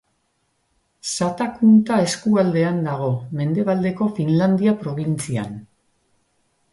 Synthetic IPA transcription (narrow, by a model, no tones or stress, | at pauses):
sat̪akunt̪ae̞skuald̪e̞and̪aɣ̞o̞me̞nd̪e̞β̞ald̪e̞ko̞finland̪iapɾo̞β̞int͡sia̰n